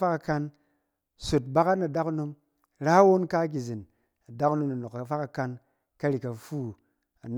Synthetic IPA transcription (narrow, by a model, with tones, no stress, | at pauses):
fa˦ka˧ka˧n | so˨t̚ba˦ka˦tna˨da˦ku˦no˧m | ɾa˦wo˦nka˦ɡ̬ʲi˨zi˨n | a˨da˦ku˦no˧mna˨no˨ka˨fa˦ka˧ka˧n | ka˦ɾi˨ka˨fuː˦ | a̰˨n